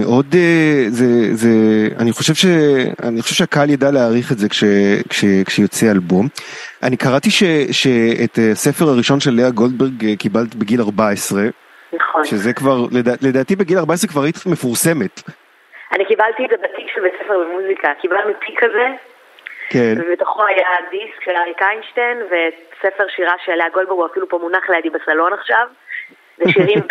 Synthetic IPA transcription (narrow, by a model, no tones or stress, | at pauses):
meʔo̞dezezea̰niχo̞ʃe̞vʃea̰nioevʃeakaljadaleaːʁiχetze̞kʃekʃekʃejo̞t͡sealbom | ʔanikaʁatiʃeʃeetasefeʁaʁiʃo̞nʃelːeaɡo̞ld̚beʁɡkibalt̪ibeɡilaʁbaesʁe̞ | naχoʃezekvaʁledaːledaːtibeɡilaʁbaes̬ʁekvaʁit̪mefuʁsemet | anikibalt̪izebat̪ikʃelbet͡sefeʁlemuzikakibalnutʰikʰːaze | kenvebet̪oχo̞ajadiskʃelaʁikajnʃtenvesefe̞ʁʃiʁaʃealaaɡo̞lbeɡuafilupo̞munaχleadibasalo̞naχʃav | veʃiʁim